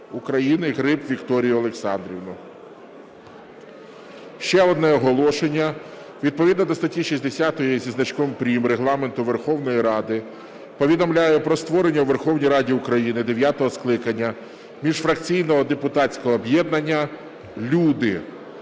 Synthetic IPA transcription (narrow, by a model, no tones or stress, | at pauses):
ukɾɐjinɪɦɾɪpʋʲikt̪ɔɾʲijʊɔlˠeksɑ̰nd̪ɾʲiʋnʊ | ʃt͡ʃɛɔd̪nɛɔɦɔlˠɔʃenʲːɐ | ʋʲid̪̚pɔʋʲid̪nɐd̪ɔst̪ɐtʲiʃisʲd̪esʲat̪ɔjizʲiznɐt͡ʃkʋɪmpɾʲimreɦlˠɑment̪ʊʋerxɔwnɔjiɾɑd̪ɪ | pɔʋʲid̪ɔmlʲajɛpɾɔst̪ʋɔɾenʲːɐuʋerxɔwnʲijɾɑdʲiukɾɐjinɪd̪eʋʲjat̪ɔɦɔsklˠɪkɐnʲːɐ | mʲiʒfɾɐkt͡sʲijnɔɦɔd̪epʊt̪ɑt͡sʲkɔɦɔːbjɛd̪̚nɐnʲːɐ | lʲud̪ɪ